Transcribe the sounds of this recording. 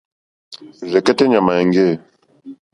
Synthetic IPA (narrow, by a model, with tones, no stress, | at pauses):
zɛ˨kɛ˦tɛ˦ɲa˨ma˨ɛ˨ŋɡe˦˨